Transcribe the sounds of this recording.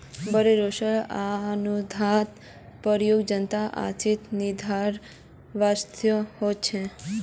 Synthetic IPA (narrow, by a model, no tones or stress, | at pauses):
bəɾeɾoʃəɭanud̪ʱat̪ | pəɾjoɡd͡ʒənt̪aʔa̰t͡ʃit̪nɪd̪ʱaɾ | ʋast̪ʰjəhot͡ʃʰe